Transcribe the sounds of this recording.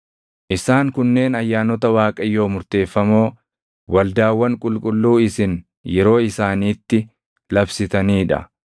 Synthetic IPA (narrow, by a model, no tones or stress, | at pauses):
ʔɪsaːŋkʊnːe̞ːnɐjːaːnɔt̪ɐwaːkʼɐjːo̞ːmʊɾt̪e̞ːfːɐmo̞ː | wɐld̪aːwːɐŋkʼʊlkʼʊlːuːɪsɪn | jɛɾo̞ːɪsaːniːt̪ːɪ | lɐbsɪt̪ɐniːᶑɐ̰